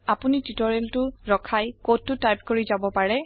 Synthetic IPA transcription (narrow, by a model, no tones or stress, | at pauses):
apunititɔɹeltʊɹɔkʰajkod̚ːʊtajp̚koɹizabɔpaɹɛ